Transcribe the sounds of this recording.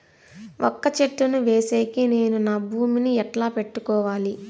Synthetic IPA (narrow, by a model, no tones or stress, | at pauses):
ʔɔkːɐt͡ʃeʈːunuʋeːseːkine̞ːnunaːbʱuːminiɛʈlaːpe̞ʈːukɔːʋaːli